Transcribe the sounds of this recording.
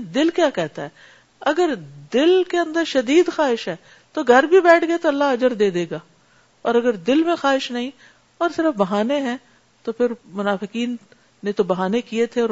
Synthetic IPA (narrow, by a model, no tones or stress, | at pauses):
d̪ɪlkjaːkɛɦt̪aɦɛː | ɐɡəɾd̪ɪlkeɐ̃nd̪əɾʃɐd̪iːd̪xaːɦɪʃɦɛː | t̪oɡʱɐɾbʱibɛːʈʰɡɐet̪oɐlːaɦɐd͡ʒəɾd̪eːd̪eːɡaː | ɔːɾɐɡəɾd̪ɪlmẽxaːɦɪʃnɐɦĩ | ɔːɾsɪɾəfbɐɦaːneɦɛ̃ː | t̪opʰɪɾmʊnaːfɪkiːnː | et̪obɐɦaːnekiet̪ʰeɔːɾ